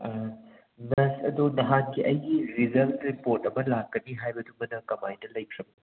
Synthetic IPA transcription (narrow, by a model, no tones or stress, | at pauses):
nɐsɐdunɐɦankiʔɐjɡiɾizɐltɾipoɾtɐmɐlakːɐniɦajbɐduŋɐnɐkɐmajndɐlɐjpʰɾɐm̚ni